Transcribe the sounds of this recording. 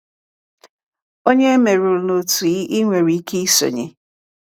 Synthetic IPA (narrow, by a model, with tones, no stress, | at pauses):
o˦ɲe˦me˨ɾu˨no˨tu˨i˦ʔi˦ŋʷe˨ɾi˨i˦ke˦i˦so̰˨ɲḛ˨